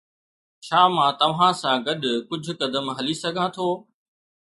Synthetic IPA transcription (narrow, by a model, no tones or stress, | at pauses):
t͡ʃʰaːmãːt̪ɐʋ̤ãsãːɡɐɗkʊd͡ʑʱʊkɐd̪əmɦɐlisɐɡʱãːt̪ʰoː